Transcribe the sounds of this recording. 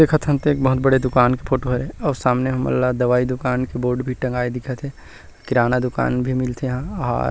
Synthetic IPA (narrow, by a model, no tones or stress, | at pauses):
d̪eːkʰət̪ʰənt̪eeːkbɐɦʊt̪̚bəɽed̪ʊkaːnkepʰoːʈoɦəɾɦɛ̃ɔːɾsaːmneɦɐmɐ̰lːad̪ɐʋaːid̪ʊkaːnkeboːɾɖbʱiʈɐ̃ŋɡaːed̪ɪkʰat̪ʰe | kɪɾaːnad̪ʊka̰ːnbʱimɪlt̪ʰeɦãɦa̰ːɾ